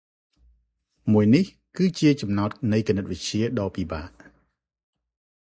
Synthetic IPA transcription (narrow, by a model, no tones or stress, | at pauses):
muəjnih | kɨːt͡ɕiət͡ɕɑmnaɔt̪̚nɨjkənət̪̚ʋɨc̚t͡ɕiəɗɑːpiːɓaːʔ